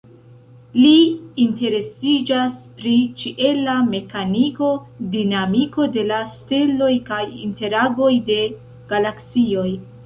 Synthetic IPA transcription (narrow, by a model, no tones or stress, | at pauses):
liːnte̞ɾe̞sid͡ʒaspɾit͡ʃiʔe̞lame̞kaniko̞dinamiko̞de̞lastelo̞jkajḭnte̞ɾaɡo̞jde̞ | ɡ̥alaksio̞j